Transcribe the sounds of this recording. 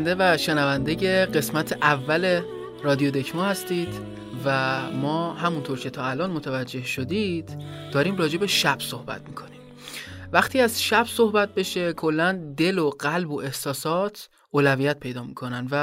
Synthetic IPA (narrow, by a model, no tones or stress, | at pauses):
nd̪evæʃenævænd̪e̞je̞ɢe̞smæt̪ʰeʔævːæle̞ | rɒːd̪iod̪e̞cʰmohæst̪iːd̪ | væmɒːhæmunt̪ʰoɾcʰe̞t̪ʰɒːælɒːnmo̞t̪ʰævæd͡ʒːe̞hʃo̞d̪id̪̥d̪̥ɒːɾiːmrɒːd͡ʒe̞be̞ʃæb̥so̞hbæ̰t̪miːkʰo̞nim | væxt̪ʰiːæzʃæbso̞hbæt̪̚be̞ʃe̞kʰo̞lːænd̪e̞loɢælboʔe̞hsɒːsɒːt̪ʰ | oːlævijæt̪̚pʰe̞jd̪ɒːmiːkʰo̞nænvæ